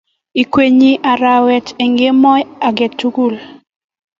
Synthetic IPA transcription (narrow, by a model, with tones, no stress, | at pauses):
i˨kwe˨ɲi˦ʔa˨ɾa˨wɛ˨t͡ʃe˨ŋɡe˦mɔ˦a˨ɡɛ˨tːu˦ɡu˦˨l